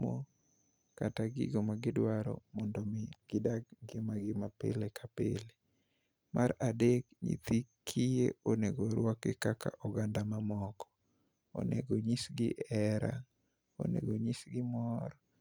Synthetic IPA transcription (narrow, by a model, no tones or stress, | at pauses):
mo̰ | kataɡɪ̰ɡomaɡɪdwaɾɔ̰mɔndɔmɪɡ̥ɪdaɡɡɪmaɡɪmapḛlekʰapele | mʔaɾadekɲḭt̪ikʰijeoneɡoɾwɔkɪkaka̰ʔɔɡandamamɔkɔ̥ | o̰nḛɡoɲisɡɪʔɛɾa̰ | o̰nḛɡoɲisɡɪmɔɾɔ